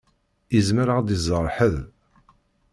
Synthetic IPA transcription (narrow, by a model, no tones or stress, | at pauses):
izməɾəʁd̪izˤːəɾˤħəð